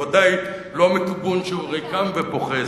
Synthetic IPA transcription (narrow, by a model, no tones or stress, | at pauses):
ad̪aj | lomikubunʃeuʁejkamvepoχe